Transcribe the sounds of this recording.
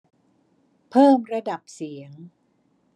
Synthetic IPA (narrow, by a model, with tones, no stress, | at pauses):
pʰɤː˥˩mɾa˧da˨˩p̚si˩˦əŋ